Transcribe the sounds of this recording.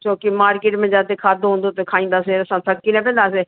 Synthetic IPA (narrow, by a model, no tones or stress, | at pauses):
t͡ʃoːkimaːɾkeːʈmɛ̃ːd͡ʒãːt̪eːkʰaːd̪oɦõːnd̪oːt̪ekʰaːĩːnd̪aːseːəsãːt̪ʰəkːinɛ̃ːp̬ɛ̃ːnd̪aːs̬eː